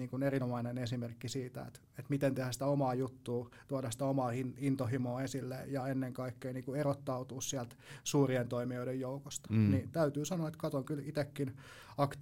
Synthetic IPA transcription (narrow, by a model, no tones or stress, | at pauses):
iːŋkunerinomɑinenesimerkːisiːt̪æ̰ḛt̪ | et̪mit̪ent̪ehæsit̪æomɑːjut̪ːuːt̪uɑdɑsi̥t̪æomɑːhinint̪ohimoːesilːḛjɑenːeŋkɑikːeiniːŋkuerot̪ːɑut̪uːssiælt̪suːrient̪oimioidejjoukost̪ɑ̥nit̪æyt̪yːsɑnoɑet̪kɑt̪oŋkylit̪ekːin | ɑkt̪